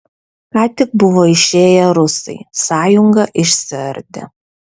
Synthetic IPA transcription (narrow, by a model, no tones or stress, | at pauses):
kɑːt̪ʲɪk̚bʊʋoɪʃʲeːjɛɾʊsɐ̰ɪsɑːjʊŋɡɐʔɪʃsʲɪɐ̰ɾʲd̪ʲɛ̰